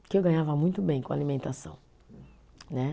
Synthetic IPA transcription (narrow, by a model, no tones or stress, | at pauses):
kɪewɡɐ̃ɲavɐmũj̃t̪ʊbẽj̃kõa̰limẽnt̪asɐ̰̃w̃ | nɛ